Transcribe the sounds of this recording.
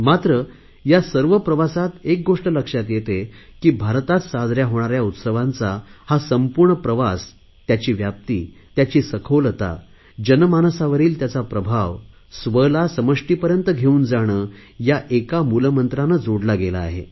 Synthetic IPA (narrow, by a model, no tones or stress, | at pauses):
mat̪ɾə | jasəɾʋəpɾəʋasat̪ek̚ɡoʂʈələkʂat̪jet̪ekiːbʱaɾt̪at̪sad̪ʱɾjaɦoɽ̃aɾjaut̪səʋãnt͡sahasəmpuɾɳəpɾəʋas | t̪jat͡ɕiːʋjap̚t̪iː | t̪jat͡ɕiːsəkʰolət̪a̰ | d͡ʑənmansaʋəɾiːlt̪jat͡sapɾəbʱaʋ | sʋəlasəməʂʈiːpəɾjənt̪əɡʱeuːnd͡zaɽ̃əːjaʔekamulmənt̪ɾanːad͡zoɽlaɡela̰ːɦḛ